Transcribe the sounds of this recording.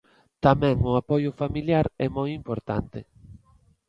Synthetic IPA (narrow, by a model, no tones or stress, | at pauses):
t̪amɛ̃ŋʊapɔjʊfamiljaɾɛmojimpoɾt̪a̰nt̪ɪ